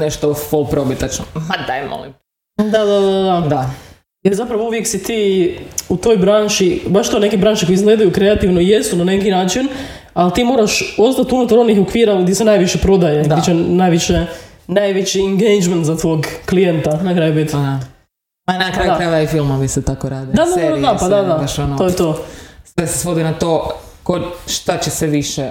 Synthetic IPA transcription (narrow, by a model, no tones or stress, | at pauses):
neʃt̪ofolˠpɾobit̪at͡ʃnomad̪aemo̰lḭm | d̪ad̪ad̪aad̪ad̪a | jeɾzapɾaʋouʋjeksit̪iːut̪o̞ːjbɾaːnʃibaʃt̪one̞kibɾaːnʃikojizɡle̞ːd̪ajukɾe̞at̪iːʋnoije̞st̪unane̞kinaːt͡ʃin | alt̪iːmo̞ːɾaʃo̞st̪at̪unut̪aɾo̞nixokʋiːɾaɡd̪jesenaːjʋiʃepɾo̞d̪ajed̪it͡ʃenajʋiʃe | najʋet͡ʃieŋɡejd͡ʒment̪zat̪ʋo̞ːɡklijent̪anakɾajubit̪a | anakajuaɾajuʋaifilmoʋiset̪akoɾaːd̪id̪aaed̪apad̪ad̪abaʃonoojt̪oːsesesʋod̪inat̪o | koʃt̪at͡ɕeseʋiʃe